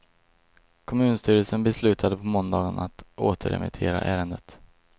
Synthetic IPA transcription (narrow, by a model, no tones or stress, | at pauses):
kʰɔmʉ̟ːnst̪yːɾəlsənbɛslʉ̟ːt̪ʰad̪əpʰɔmɔnd̪ɑːɡənat̪oːt̪ʰəɾɛ̰mɪ̰t̪ʰeːɾa̰ʔæːɾənd̪ət̪